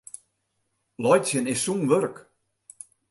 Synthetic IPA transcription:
lɔjsjənɪsːunʋørk

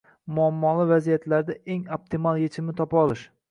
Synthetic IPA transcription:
mʊamːɒlˠɪvazijat̪laɾd̪aʔeŋop̚t̪ʰɪmalˠjet͡ʃʰɪmnɪt̪ʰɒpɒlˠɪʃ

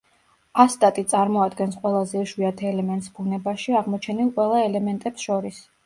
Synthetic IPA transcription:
ast̪ʼat̪ʼit̪sʼaɾmɔad̪ɡɛnsqʼwɛlˠazɛuʃwiat̪ʰɛlɛmɛnt̪ʼsbunɛbaʃiaʁmɔt͡ʃʰɛnilˠqʼwɛlˠaɛlɛmɛnt̪ʼɛpsʃɔɾis

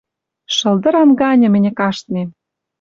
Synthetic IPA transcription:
ʃɤ̆ld̪ɤ̆ɾɑmɡɑnʲɤ̆mɘ̆nʲɘ̆kɑʃt̪nem

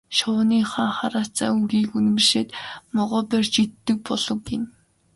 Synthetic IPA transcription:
ʃʊːniːχaːχaɾaːt͡sa̰ːuɣiːkun̆mɘ̆rʃeːt̪mɔʁɔːpært͡ɕit̪ːɘ̆k̚pɔɮɞ̆kin

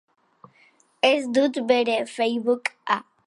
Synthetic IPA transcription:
esd̪ut̪beɾefejβuka

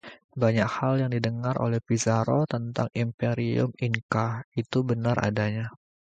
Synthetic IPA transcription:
baɲakhaljaŋdidəŋaɾʔo̰lɛhpizaɾot̪ənt̪aŋimpeɾiʊ̰miŋkahit̪ubənarʔa̰daɲa

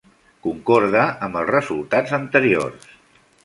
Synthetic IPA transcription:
kuŋkɔɾðəəmbəlˠzrəzulˠt̪ad͡zənt̪əɾio̰rs

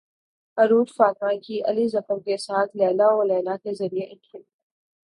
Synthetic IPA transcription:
ɐɾuːɾfaːt̪̚mãkiʔɐ̰lizɐfəɾkesaːt̪ʰlɛːlaɔːɾlɛːlakezɐɾijeʔɪ̃nkʰɪl

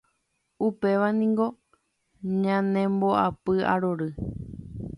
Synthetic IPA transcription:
upe̞ʋanĩŋɡo̞ | ɲãnẽ̞mboʔapɨa̰ɾoɾɨ

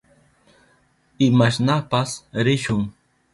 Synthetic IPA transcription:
ɪmaʃnapasɾɪʃʊŋ

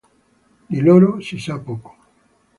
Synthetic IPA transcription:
d̪iloːɾosisapoːko̥

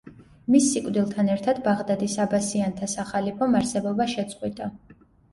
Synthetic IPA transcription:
misːikʼd̪ilˠt̪ʰanɛɾt̪ʰad̪baʁd̪ad̪isabasiant̪ʰasaχalipʰɔmaɾsɛbɔbaʃɛt̪sʼqʼwit̪ʼa

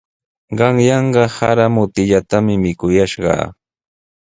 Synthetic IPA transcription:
ɢɑŋjɑɴɢɑhaɾamʊt̪ɪʎat̪amɪmɪkʊjaʃɢɑ̰ː

